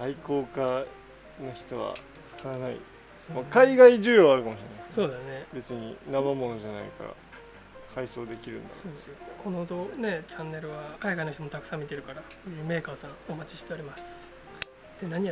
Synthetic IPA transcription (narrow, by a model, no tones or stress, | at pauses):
aiko̞ːka | noçi̥t̪o̞βa̰ | t͡sɨ̥kʰaɾanaḭ | makaiɡaiʑɨːjoːβaɾɯ̟kamo̞ɕiɾenaso̞ːd̪ane̞be̞t͡sɨɲ̟ḭnamamo̞noʑanaḭka̰ɾa̰ | kʰaiso̞ːd̪e̞kʲiɾɯ̟̰̃nd̪a̰soːd̪esjokʰo̞nod̪o̞ne̞t͡ɕãnːe̞ɾɯ̟βakaiɡainoçit̪o̞mot̪akɯ̟̥sãmːʲit̪e̞ɾɯ̟kaɾasoːjɯ̟ːme̞ːkaːsãomat͡ɕi̥ɕi̥t̪e̞oɾʲimasɨ̥ | d̪̥e̞naɲ̟i